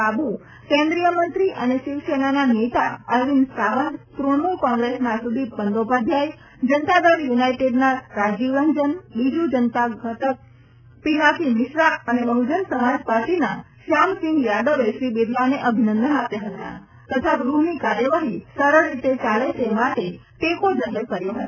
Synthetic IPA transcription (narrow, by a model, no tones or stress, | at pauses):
abu | kɛ̃nd̪ɾijəmənt̪ɾiʔəneʃiʋsenananet̪a̰əjʋinsaʋənd̪t̪ɾomukɔ̃ŋɡɾesmasud̪ʱipənd̪obad̪ʱjaj | d͡ʒənt̪ad̪əɾjunajʈeɖnaɾad͡ʒiʋənd͡ʒənbid͡ʒud͡ʒənt̪aɡət̪ək̚ | pinakʰimɪʃɾaənebəɦud͡ʒənsəmad͡ʒpaɾʈ̪ina | ʃamsɪ̃ŋɡjaɖəʋeʃɾibed̪ʱlaneʔəbʱinə̃nd̪ənapjaɦət̪a̰ | t̪ət̪ʰaɡɾuɦnikaɾjəʋaɦisəɾəɾːit̪et͡ʃalet̪emaʈe | ʈekod͡ʒəɦəkəɾjoɦət̪